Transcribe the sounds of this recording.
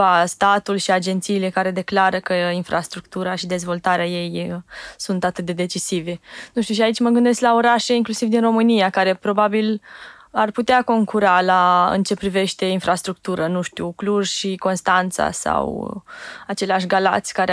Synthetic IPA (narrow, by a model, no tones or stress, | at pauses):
ast̪at̪ulʃiad͡ʒe̞nt̪siːle̞kaɾe̞d̪e̞klaɾəkəinfɾast̪ɾuk̚t̪uɾaʃid̪e̞zvo̞lt̪aɾeaje̞jsunt̪at̪ɨt̪̚d̪e̞d̪e̞t͡ʃisive̞nuʃt̪iuʃ̬iait͡ʃʲməɡɨnd̪e̞sklaoɾaʃe̞iŋklusivd̪inro̞mɨnijakaɾe̞pɾo̞babil | arput̪eako̞ŋkuɾalaɨ̰nt͡ʃe̞pɾive̞ʃt̪e̞infɾʔast̪ɾuk̚t̪uɾənuʃt̪iukluʒʃiko̞nst̪ant̪sa̰sa̰w | at͡ʃe̞leaʃ̬ɡala̰t̪sʲkaɾe